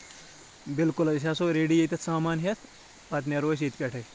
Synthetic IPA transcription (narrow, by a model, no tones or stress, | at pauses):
bɪlkʊlɐs̬ɐsoːɾeːɖijet̪ʲɐt̪saːmaːnɦet̪ʰ | pɐt̪neɾoːs̬iːt̪ʲpʲeʈʰɐj